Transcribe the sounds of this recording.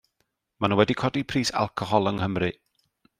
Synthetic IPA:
manəwɛdikʰɔdipʰriːsa̰lˠkʰɔɦɔlˠɔŋɦəmrɨ

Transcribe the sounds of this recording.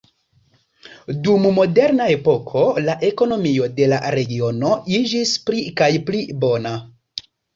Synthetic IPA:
dummo̞de̞ɾnae̞po̞kʰo̞laʔe̞ko̞no̞mio̞de̞la̰ɾe̞ɡio̞no̞id͡ʒispɾikajplibo̞na

